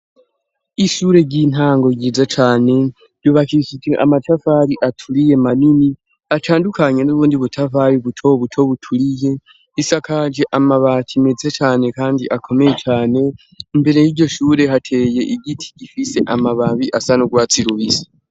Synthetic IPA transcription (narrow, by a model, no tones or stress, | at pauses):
iʃuɾe̞ɟiːn̥aːŋɡo̞ɟizat͡ʃaːne̞̥ | oβakiʃid͡ʒeʔa̰matafaɾiʔatʰulije̞manini | atʰaːndukʰaɲe̞nuβuːndiβutʰavajiβutʰo̞βutʰo̞βutʰulije̞ | isakʰaːd͡ʒeʔamaβatʰimed͡zet͡ʃaːne̞kaːndiʔakʰo̞mejet͡ʃaːne̞ | mbe̞ɾejiɟo̞ʃuːɾe̞ɦatʰe̞ːje̞ʔiɡitʰi̥ɟifise̞ʔamaβaβiʔasanuɡwaːt͡siɾuβisḁ